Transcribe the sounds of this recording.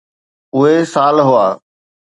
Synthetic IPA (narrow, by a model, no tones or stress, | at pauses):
ʊɦesaːlɦʊaː